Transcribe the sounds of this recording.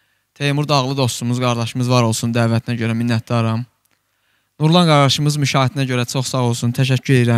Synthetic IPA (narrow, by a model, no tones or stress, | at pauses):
t̪ʰejmuɾd̪ɑɣlˠɯd̪o̞st̪umuzɡɑɾd̪ɑʃɯmɯzvɑɾo̞lˠsund̪æːvæt̪ʰinæɟøɾæminːæt̪̚d̪ɑɾɑm | nuɾlˠɑnɡɑɾd̪ɑʃɯmɯzmyʃɑːɦit̪ʰinæɟøɾæt͡ʃʰo̞χsɑɣo̞lˠsunt̪ʰæʃ̬æcʰːyɾe̞liɾæm